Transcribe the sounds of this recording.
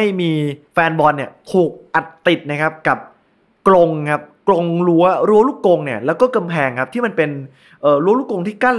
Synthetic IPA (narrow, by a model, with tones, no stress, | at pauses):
a˥˩jmiː˧fɛː˧nbɔː˧nːi˥˩ɐt̪ʰuː˨˩k̚ʔa˨˩t̪ːi˨˩t̪̚na˦˥kʰa˦˥p̚ka˨˩p̚ | klo˧ŋkʰa˦˥p̚klo˧ŋɾu˦˥ɐɾu˦˥ɐɾu˥˩ko˧ŋni˥˩ɐlɛː˦˥wkɔː˥˩ka˧mpʰɛː˧ŋkʰa˦˥pt̪ʰiː˥˩ma˧npe˧n | ʔɤː˨˩ɾu˦˥lu˥˩ko˧ŋt̪ʰiː˥˩ka˥˩